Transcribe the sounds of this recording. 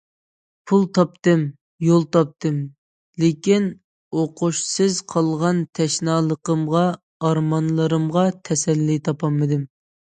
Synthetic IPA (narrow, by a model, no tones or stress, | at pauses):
pʰulˠt̪ʰɑp̚t̪ɨm | jolˠt̪ʰɑp̚t̪ʰɨm | lekʲin | oqʊʃsɨzqʰɑlˠʁɑnt̪ʰɛʃnɑːlˠəqəmʁɑː | ɾmɑnlˠəɾɨmʁɑt̪ʰɛsɛlːit̪ʰɑpʰɑmːɨd̪ɪm